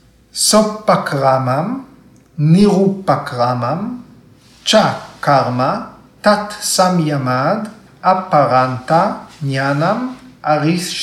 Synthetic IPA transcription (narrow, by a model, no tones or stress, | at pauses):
sopːakʁamam | niʁupakʁamam | t͡ʃakaɾma | t̪at̪samjamad̪ | apaɾant̪aɲanamʔaʁis